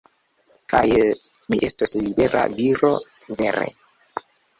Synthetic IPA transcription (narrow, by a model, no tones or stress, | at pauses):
kajmiʔestoslibeɾʔa̰viɾo | veɾḛ